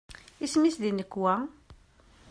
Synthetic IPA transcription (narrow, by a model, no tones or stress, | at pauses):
ismisd̪inəkːwæ